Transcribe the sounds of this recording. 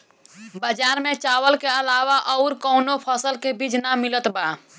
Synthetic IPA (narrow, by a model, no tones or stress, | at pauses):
bəd͡ʒaɾmet͡ʃawəlkeəlawaʔɔʊɾkəʊnopʰəsəlkebid͡ʒnamilət̪ba